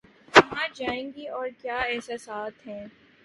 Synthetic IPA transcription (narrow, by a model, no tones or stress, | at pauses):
kɐɦãd͡ʒaːẽːɡiɔːɾkjaːɛɦsasaːt̪ɦɛ̃ː